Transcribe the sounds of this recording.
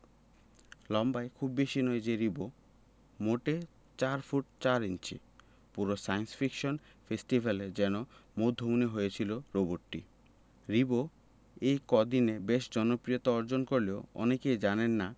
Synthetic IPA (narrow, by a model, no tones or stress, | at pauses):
lɔmbaekʰubːeʃinɔed͡ʑeɾibo | moʈe | t͡ɕaɾfuʈ̚t͡ɕaɾint͡ɕḭ | puɾosajnsfʰikʃon | fesʈibʱaled͡ʑɛnomod̪ʱːomuniɦojet͡ɕʰiloɾoboɾʈḭ | ɾibo | ejkɔd̪inebeʃd͡ʑɔnopɾijot̪aɔɾd͡ʑonkoɾleoɔ̰nekejd͡ʑanenːa